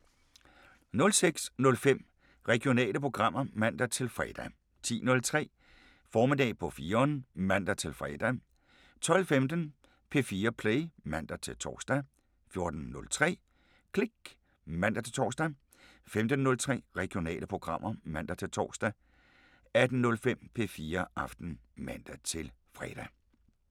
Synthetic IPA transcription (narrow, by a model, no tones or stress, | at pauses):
nɔ̽lseɡ̥snɔ̽lfem̰ | ʁɛɡ̥io̝nɛ̰ːləpʰʁo̝ɡ̥ʁɑ̈m̰ɐmæn̰d̥æt͡sʰe̝lfʁɛːd̥æ | t͡sʰḭːnɔ̽lt͡sʰʁɛ̰ː | fɒːme̝d̥ɛ̰ːpʰɒ̽fiːɐɒnəmæn̰d̥æt͡sʰe̝lfʁɛːd̥æ | t͡sʰɒ̽l̰femd̥ən | pʰe̝fiːɐpʰleɪmæn̰d̥æt͡sʰe̝lt͡sʰɒ̰ːsd̥æ | fjo̝ɐd̥n̩ːɔ̽lt͡sʰʁɛ̰ː | kʰleɡ̥ | mæn̰d̥æt͡sʰe̝lt͡sʰɒ̰ːsd̥æ | femd̥ən̩ːɔ̽lt͡sʰʁɛ̰ːʁɛɡ̥ijo̝nɛ̰ːləpʰʁo̝ɡ̥ʁɑ̈m̰ʔɐmæn̰d̥æt͡sʰe̝lt͡sʰɒ̰ːsd̥æ | æd̥n̩nːɔ̽lfem̰pʰe̝fiːɐʔɑ̈fd̥n̩mæn̰d̥æt͡sʰe̝lfʁɛːd̥æ